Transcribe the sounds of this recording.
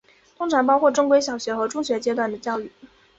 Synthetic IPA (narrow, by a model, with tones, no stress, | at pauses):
t̪ʰʊ˥ŋʈ͡ʂʰɑ˧˥ŋpɑ˥ʊkʰwɔ˥˩ʈ͡ʂʊ˥ŋkwe˥ɪɕ̬jɑ˨˩ʊɕɥɛ˧˥xɤ˧˥ʈ͡ʂʊ˥ŋɕɥɛ˧˥t͡ɕjɛ˥t̪wa˥˩nd̪ə˩t͡ɕjɑ˥˧ʊy˥˩